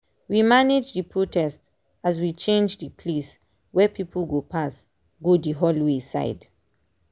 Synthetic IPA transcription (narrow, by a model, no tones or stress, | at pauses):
wimaned͡ʒðəpʰɹotʰɛst | azwit͡ʃẽnd͡ʒdəpʰles | wɛpʰipəl̩ɡopʰas | ɡodiɦɔlwesa̰ɪd